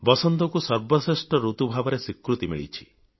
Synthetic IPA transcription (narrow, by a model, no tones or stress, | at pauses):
bɔsɔnt̪ɔkusɔɾbɔsesʈɔɾut̪ubʱabɔɾesikɾut̪imḭɭḭt͡ʃʰi̥